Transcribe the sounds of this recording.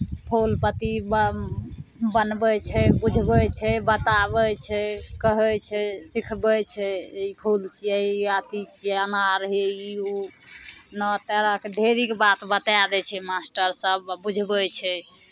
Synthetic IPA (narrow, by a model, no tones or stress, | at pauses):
pʰolpət̪ib | bənbɛt͡ʃʰɛbud͡ʒʱbɛt͡ʃʰɛbət̪abɛt͡ʃʰɛkəɦɛt͡ʃʰɛsikʰbɛt͡ʃʰɛipʰult͡ʃʰieat̪it͡ʃianaɾəɦɛiu | nɔt̪ɛɾakeɖʱeɾikbat̪bət̪ad̪ɛt͡ʃʰɛmasʈəɾsəbːud͡ʒʱbɛt͡ʃʰɛ